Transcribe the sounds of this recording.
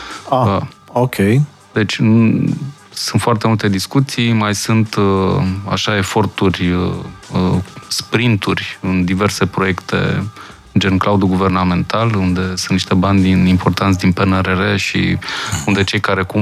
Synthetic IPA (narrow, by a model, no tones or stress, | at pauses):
aəokʲej | d̪e̞t͡ʃʲ | sunt̪foart̪e̞mult̪e̞d̪iskut̪sijmajsunt̪ | a̰ʃae̞fo̞rt̪urʲ | spɾint̪urʲɨnd̪ive̞rse̞pɾo̞je̞kt̪e̞̰ | d͡ʒenklaud̪uɡuve̞rname̞nt̪alund̪e̞sunt̪niʃt̪e̞banʲd̪inimpo̞rt̪ant̪s̬ʲd̪inpeneɾeɾeʃḭund̪e̞t͡ʃe̞jkaɾe̞kum